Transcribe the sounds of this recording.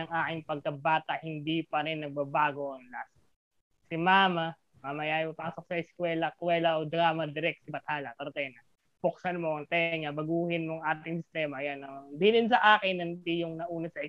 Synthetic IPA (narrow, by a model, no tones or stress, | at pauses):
ɐŋʔaːkɪŋpɐɡ̚kɐbaːt̪ɐʔhɪnd̪ipɐɾɛnːɐɡ̚bɐbaːɡoʔɐŋlas | sɪmaːma | mamɐjaːjɪmopaːsok̚sɐɪskwɛːlɐkwɛlɐʔod̪ɾaːmɐd̪ɪɾɛk̪̚sɪbɐt̪haːlɐt̪ɐɾt̪ɛnɐ | pʊk̚sɐnmoɐŋt̪ɛŋɐbɐɡuːhɪnmoɐŋʔaːt̪ɪŋsɪst̪ɛːmɐʔɐjanɐd̪ilɪnsɐʔaːkɪnːɐnt̪ijʊŋnɐʔuːnɐsɐɪ